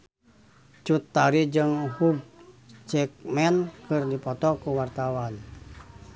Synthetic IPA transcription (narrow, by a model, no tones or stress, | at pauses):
t͡ʃut̪ːaɾid͡ʒɨŋhub̚ | d͡ʒɛk̚mɛnkɨrdipɔt̪ɔkuwart̪awan